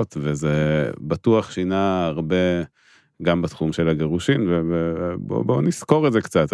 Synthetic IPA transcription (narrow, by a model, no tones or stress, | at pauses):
tvezebatuaχʃinaːʁbe̞ | ɡambat̪χumʃe̞laɡeʁuʃimvevebo̰bo̞nisko̞ʁezekt͡sat̪